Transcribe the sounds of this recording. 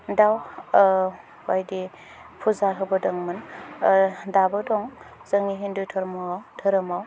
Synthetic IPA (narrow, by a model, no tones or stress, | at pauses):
daw | bajdi | pʰuzaɦɯbɯdɯŋmɯn | dabɯdɔŋ | zəŋiɦindujtʰɔɾmɔawtʰɯɾɯmaw